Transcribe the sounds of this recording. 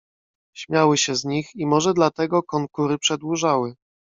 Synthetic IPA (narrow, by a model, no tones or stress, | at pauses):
ɕmʲjawɘɕɛzɲiximɔʐɛd̪lat̪ɛɡɔkɔŋkuɾɘpʂɛd̪wuʐawɘ